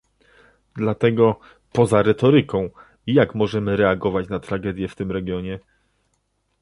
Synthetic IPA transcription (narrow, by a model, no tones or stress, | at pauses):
d̪lat̪ɛɡɔ | pɔzaɾɛt̪ɔɾɘkɔ̃w̃ | ijakmɔʐɛmɘɾɛaɡɔvat͡ɕnat̪ɾaɡɛd̪ʲjɛft̪ɘmɾɛɡjɔɲɛ